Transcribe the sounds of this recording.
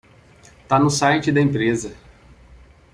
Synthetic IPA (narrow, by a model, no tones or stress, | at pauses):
t̪anʊsajt͡ʃɪd̪ɐẽmpɾezɐ